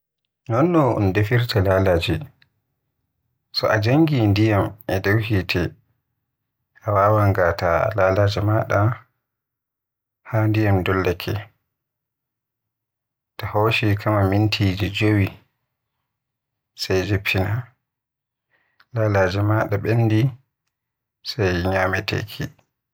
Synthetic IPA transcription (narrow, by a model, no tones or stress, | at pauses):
nɔnːɔʔɔ̰ndefiɾtʰalalaːd͡ʒɛ | sɔʔad͡ʒaŋɡindijamʔɛdawhitʰɛ | ʔawaːwaŋɡataa̰laːlaːd͡ʒɛmaɗa | handijamdɔlːakʰɛ | tahoːʃikʰamamintʰiːd͡ʒid͡ʒowi | sajd͡ʒipʰːina | lalad͡ʒɛmaɗaɓenːdi | sajɲaːmɛtʰḛkʰi